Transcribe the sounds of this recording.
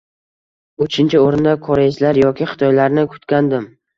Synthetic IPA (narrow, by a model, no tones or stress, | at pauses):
ʊt͡ʃʰɪnt͡ʃʰɪoɾɪnd̪akʰɒɾeɪslaɾjɒkʲʰɪχɪ̥t̪ʰɒjlaɾnɪkʰʊ̥t̪kʲand̪ɪm